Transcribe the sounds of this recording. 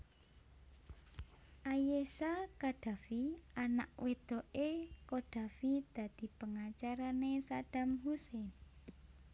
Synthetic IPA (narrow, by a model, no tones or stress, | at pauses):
ʔajesakaɖ̥ä̤fiana̰ʔwed̪̥ɔ̤ʔekoɖ̥ä̤fid̪̥ä̤d̪̥i̤pəŋat͡ʃaɾanesad̪̥a̤mhusen